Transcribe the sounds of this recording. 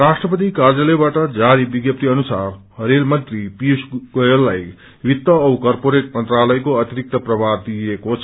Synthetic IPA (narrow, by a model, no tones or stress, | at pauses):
rasʈrʌpʌt̪̬ikard͡zʌlʌbaʈʌd͡zaɾibiɡjʌp̚t̪iʌnusarɦʌɾelmʌnt̪ripiusɡʌjʌlːaj | wit̪ːʌːwkʌrpoɾeʈ̚mʌnt̪ralʌjkoʌt̪iɾik̚t̪ʌprʌbad̪ijekot͡sʰʌ